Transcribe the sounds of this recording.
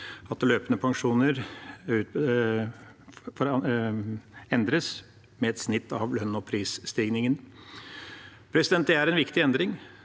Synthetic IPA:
ɑt̪løːpənəpʰɑŋʂuːnəɾʉ | fɔɾ | ɛnd̪ɾəs | mɛɛt̪snɪt̪ːɑʋlœnːɔpʰɾiːsst̪iːɡnɪŋən | pʰɾɛsɪd̪ɛnd̪ɛæɾɛnʋɪkt̪ɪɛnd̪ɾɪŋ

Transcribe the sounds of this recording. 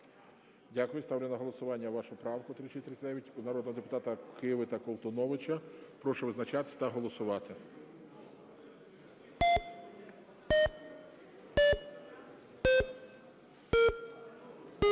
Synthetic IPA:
dʲakʊjʊst̪ɑwlʲɪnɐɦɔlˠɔsʊʋɑnʲːɐʋɑʃʊpɾɑwkʊt̪ɾɪt͡ʃet̪ɾɪsʲd̪ɛʋʲjʲɐtʲnɐɾɔd̪nɔɦɔd̪epʊt̪ɑt̪ɐkɪʋɪt̪ɐkɔlˠt̪ɔnɔʋɪt͡ʃɐpɾɔʃɛʋɪznɐt͡ʃɑt̪ɪ̥sʲt̪ɐɦɔlˠɔsʊʋɑt̪ɪ

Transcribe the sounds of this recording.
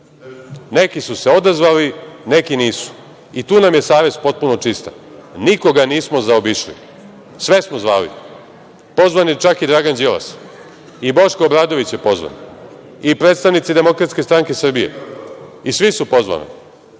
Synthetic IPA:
ne̞kisuse̞o̞d̪azʋaline̞kiniːsu̥ | it̪uːnamje̞saːʋe̞zpo̞t̪̚puno̞t͡ʃist̪a̰ | niko̞ɡaniːsmo̞zaobiʃlḭ | sʋe̞smozʋaːlḭ | po̞zʋaniet͡ʃakid̪ɾaːɡand͡ʑila̰s | ibo̞ʃkoobɾaːd̪o̞ʋit͡ɕjepo̞zʋa̰n | ipɾeːt̪st̪aʋnit̪sid̪e̞mo̞kɾat̪ske̞st̪ɾaŋke̞sr̩bijḛ | isʋisupo̞zʋa̰nḭ

